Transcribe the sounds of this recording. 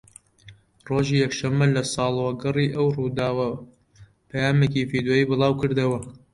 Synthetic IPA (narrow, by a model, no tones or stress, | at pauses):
roːʒiːjɛkʃɐmːɐlɐsɑːlˠwɐɡɨriːʔɐwruːd̪aːwɐ | pʰɐjaːmekiːvid̪joːiːbɨlˠɑːwkɨɾd̪ɐwɐ